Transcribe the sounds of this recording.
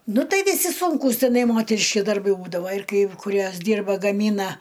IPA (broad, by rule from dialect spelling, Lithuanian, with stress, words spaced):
ˈnʊ ˈtɐɪ ʋʲɪˈsʲɪ sʊŋˈkuːs tʲɪˈnɐɪ ˈmoːtʲɛrʲɪʃʲkʲɪ dɐrˈbɐɪ ˈbuːdɐʋɐ ɪr kɐɪ kʊˈrʲuɔs ˈdʲiːrbɐ ɡɐˈmʲiːnɐ